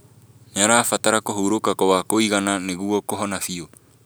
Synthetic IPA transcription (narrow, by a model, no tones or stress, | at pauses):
ɲaɾafat̪aɾakoɦuɾokakowakoiɡananeɡuokoɦonafio